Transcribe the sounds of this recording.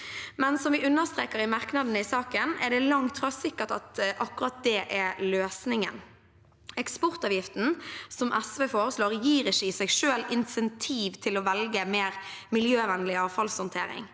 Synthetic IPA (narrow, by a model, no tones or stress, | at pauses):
mɛnsɔmʋɪʉnːəʁst̪ʁeːkəɾɪmɑʁknɑd̪nəɪsɑːkənɛɖ̪ɛlɑŋt̪fɾɑsɪkːət̪ɑ̰t̪ʔɑkːʉɾɑt̪̚d̪ɛːʔɛløːsnɪŋə̰n | ɛkspɔʁt̪ɑːʋjɪft̪n̩sɔmʔɛsʋeːfoːɾəsloːʁjiːɾɪʃɪsɛɡʂøːlɪnsɛnt̪ʰiːʋt̪ʰɪlɔʋɛlɡəmeːɾmɪljøːʋɛnlɪɑːʋfɑlshɔnt̪ʰḛːɾɪ̰ŋ